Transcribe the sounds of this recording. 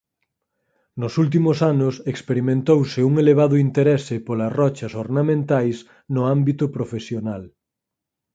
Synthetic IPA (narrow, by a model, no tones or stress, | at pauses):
nʊsult̪̬imʊsanʊsekspeɾimẽnt̪owsɪuŋeleβ̞aðʊint̪eɾɛsɪpolɐsrɔt͡ʃɐsoɾnamẽnt̪ajs | nʊambit̪ʊpɾofesjonal